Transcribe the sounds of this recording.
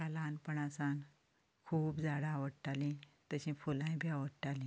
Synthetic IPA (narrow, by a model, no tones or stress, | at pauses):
kalanpəɳasan | kʰuːpd͡zaɽaːʋəɽʈalĩ | t̪əɕĩfulãj̃bʱiaʋəɽʈalĩ